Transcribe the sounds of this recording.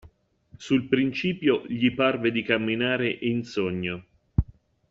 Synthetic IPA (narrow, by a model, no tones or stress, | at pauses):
sulpɾint͡ʃiːpjoʎiparved̪ikamːinaːɾeʔinsoɲːo